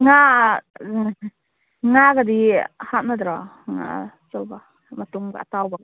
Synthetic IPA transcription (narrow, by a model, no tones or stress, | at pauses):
ŋa | ŋaɡadihat̚nad̪ɾa | ŋa̰ | t͡ʃɔwba | matuŋɡaatawba